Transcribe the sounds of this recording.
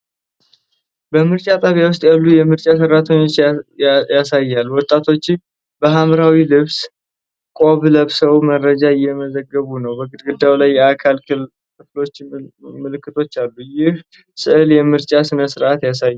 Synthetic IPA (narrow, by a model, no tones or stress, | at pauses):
bəmɨɾt͡ʃʼat̪ʼəβjawʊs̬t̪ʼjalːujɛmɨɾt͡ʃʼas̬ərːat̪ʰəɲːo̞t͡ʃːjjasajːalːwɔt̪ʼːat̪ʰo̞t͡ʃːɪm | bəɦamɾawilɨβs | kʼo̞βləβsəwmərːəd͡ʒaɪjːɛməzəɡːəβunəwbəɡɨd̪ɡɨd̪ːawlajːɛakʰal | kʰɨflo̞t͡ʃːmɨlɨkːɨt̪ʰo̞t͡ʃːalːujɪh | sɨʔɨljɛmɨɾt͡ʃʼasɨnəsɨɾʔat̪jas̬ajː